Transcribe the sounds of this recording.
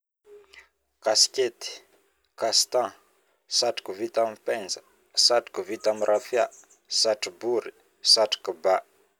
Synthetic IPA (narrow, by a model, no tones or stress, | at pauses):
kasket̪i̥ | kast̪ã | saʈ͡ʂi̥kuvit̪amipɛnd͡zə | saʈ͡ʂi̥kuvit̪amirʔafja | saʈ͡ʂibuɾi | saʈ͡ʂi̥kuba